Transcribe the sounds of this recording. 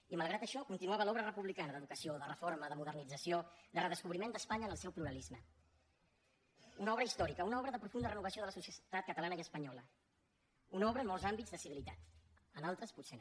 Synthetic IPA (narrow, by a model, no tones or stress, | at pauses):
iməlˠɣɾat̪əʃɔkunt̪inuaβəlɔβɾərəpuβlikanəðəðukəsioðərəforməðəmuðərnid͡zəsiod̪ərəðəskuβɾimend̪əspaɲəːnəlˠsɛwpluɾəlizmə | unɔβɾəist̪ɔɾikəunɔβɾəðəpɾufund̪ərənuβ̞əsioðələsusjət̪at̪̚kət̪əlanəjəspəɲɔlə | unɔβɾəːnmɔlˠzambid͡zðəsiβilit̪at̪ənalˠt̪ɾəsputsen